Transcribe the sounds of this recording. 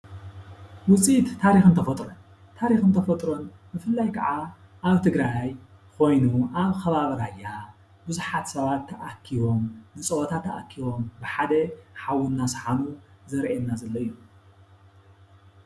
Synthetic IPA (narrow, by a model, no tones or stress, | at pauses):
wʊt͡sʼit̪ʰːaɾixɨnt̪ʰɐfɐt̪ʼɾon | t̪ʰaɾixɨnt̪ʰɐfɐt̪ʼɾo̞n | bɨfɨlːajkʰɐʕa | ʔaβt̪ʰɨɡɾaj | kʰo̞jnuʔaβxɐβaβɐɾajːa | bɨzuħat̪sɐβat̪ʰːɐʔakʰːiβo̞mnɨt͡sʼɐwot̪ʰat̪ʰːɐʔakʰːiβo̞mbɨħad̪ɐħawunːasɨ̥ħanuzɐɾʔɛnːazɐlːɐɨjːu